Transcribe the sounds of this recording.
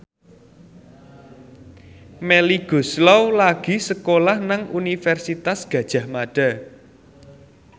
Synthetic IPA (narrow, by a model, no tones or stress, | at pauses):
mɛliɡ̥o̤slɔwlaɡ̥i̤səkolahnaŋunifɛrsit̪asɡ̥ä̤d̥ʒ̥ä̤hmaɖ̥a̤